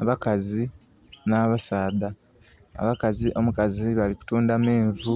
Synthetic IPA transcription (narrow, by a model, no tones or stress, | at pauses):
a̰βakazi | naːβasaːda | a̰βakaziʔo̞mukaziβaliku̥tuːndameːɱvu